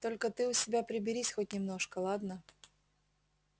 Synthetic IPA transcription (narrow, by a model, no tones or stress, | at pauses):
t̪o̞lʲkət̪ɨʊsʲɪbʲapɾʲɪbʲɪɾʲisʲxot̚ʲnʲɪmno̞ʂkəlˠad̪nə